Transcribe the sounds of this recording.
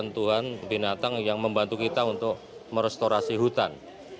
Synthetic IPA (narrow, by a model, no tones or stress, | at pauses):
nt̪uɦanbinat̪aŋjaŋməmbant̪ukit̪aunt̪ʊk | məɾɛst̪oɾasiɦut̪an